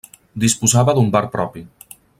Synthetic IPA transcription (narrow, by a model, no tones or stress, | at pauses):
d̪ispuzaβəðumbaɾpɾɔpi